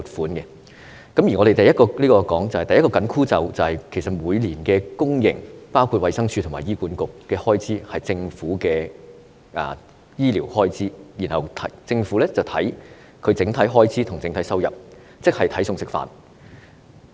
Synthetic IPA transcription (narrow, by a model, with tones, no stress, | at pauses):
t̚fuː˨˥nkɛ˧ | kɐ˨˥mjiː˨˩ŋɔ˨˧ɾe˨jt̪ɐ˨jɐ˥t̚kɔː˧liː˥kɔː˧kɔː˨˥ŋt͡sɐ˨whjt̪ɐ˨jɐ˥kɔː˧kɐ˨˥nkʰuː˥t͡sɐ˨wt͡sɐ˨whɐ˨jkʰe˨˩sɐ˨t̚muː˨˧jliː˨˩nkɛː˧kʊ˥ŋjɪ̰˨˩ŋpaː˥wkʰu˧t̚wɐ˨˧jsɐ˥ŋt͡ʃʰy˧t̪ʰʊ˨˩ma̰ː˨˩jiː˥kuː˨˥nkʊ˨kːɛː˧hɔː˥jt͡siː˨˥hɐ˨jt͡sɪ˧ŋfuː˨˥kɛː˧ | ʔɐ̰ː˨ | jiː˥liː˨˩whɔː˥jt͡siː˨˥jiː˨˩nhɐ˨wt̪ʰɐ˨˥t͡sɪ˧ŋfuː˨˥lɛː˥t͡sɐ˨wt̪ʰɐ˨˥j | kʰɵ˨˧ɥt͡sɪ˨˥ŋt̪ʰɐ˨˥jɦɔː˥jt͡sʰiː˨˥t̪ʰʊ˨˩ŋt͡sɪ˨˥ŋt̪ʰɐ˨˥jsɐ˥wjɐ̰˨p̚ | t͡sɪ˥k̚hɐ˨jt̪ʰɐ˨˥jsʊ˧ŋsɪ˨kfa̰ː˨n